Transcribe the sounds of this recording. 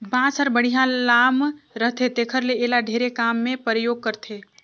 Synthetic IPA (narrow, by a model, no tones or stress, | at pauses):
bãːsəɾbəɽ̤iɦãlaːmɾəɦt̪ʰet̪eːkʰəɾleeːlaɖʱeːɾekaːmːẽpɾəjoːɡ̚kəɾt̪ʰeː